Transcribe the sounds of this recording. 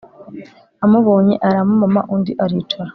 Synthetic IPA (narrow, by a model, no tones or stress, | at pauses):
amuβoːɲeʔaɾamumama̰ʔundiʔaɾit͡ʃaɾa